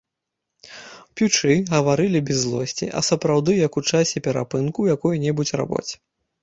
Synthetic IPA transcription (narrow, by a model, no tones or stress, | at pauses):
pʲut͡ʂɨɣɐvaɾɨlʲibʲɛzːlˠɔsʲt͡sʲḭʔɐ̰sɐpɾawd̪ɨjɐkut͡ʂasʲɛpʲɛɾa̰pɨnkujakɔjunʲɛbut͡sʲra̰bɔ̰t͡sʲ